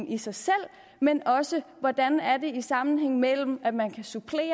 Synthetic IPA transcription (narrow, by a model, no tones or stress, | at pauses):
ŋisɑ̈ɪsel̰ | menɒ̽səʋɒd̥ænæɐde̝isɑ̈mn̩ɦeŋ̰mel̰m̩æd̥mænkʰæsupʰle̝̰ː